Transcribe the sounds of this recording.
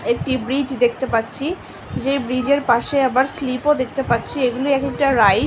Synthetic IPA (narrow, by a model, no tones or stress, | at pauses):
ek̚ʈibɾid͡ʑd̪ekʰt̪epatːɕʰi | d͡ʑejbɾid͡ʑeɾpaʃeabaɾslipod̪ek̚ʰt̪epatːɕʰieɡuloɛkek̚ʈaɾaj